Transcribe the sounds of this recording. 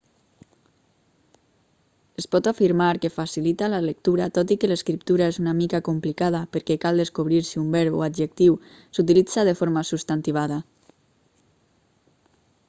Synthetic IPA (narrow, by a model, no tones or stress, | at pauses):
espɔt̪afiɾmaɾkefasilit̪alalək̚t̪uɾat̪ɔt̪ikeleskɾip̚t̪uɾaezunamikakumplikað̞apəɾkɛkalˠd̪eskoβ̞ɾiɾsiumbɛɾβo̰ad̪ʒek̚t̪iw | sut̪ilid͡zað̞efoɾmasust̪ant̪iβ̞aða